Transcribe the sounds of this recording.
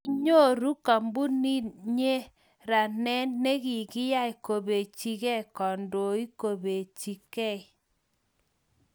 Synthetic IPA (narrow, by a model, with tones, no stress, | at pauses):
i˦ɲo˦˨ɾu˦ka˨mbu˦ni˦ɲe˦ | ɾa˨nɛ˦ne˦ɣi˨ɣɪ˦ja˦i˨ko˨be˨t͡ʃi˦ɣɛ˦˨kɔ˨ndo˨i˦ko˨be˨t͡ʃi˨kɛ˦˨